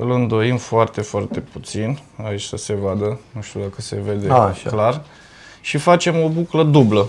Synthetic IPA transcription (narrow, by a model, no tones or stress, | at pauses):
ɨlɨnd̪o̞imfoart̪e̞foart̪e̞put̪sinait͡ʃʲsəse̞vad̪ənuʃt̪ud̪akəse̞̰ve̞d̪eʃklar | ʃifat͡ʃe̞mo̞bukləd̪ublə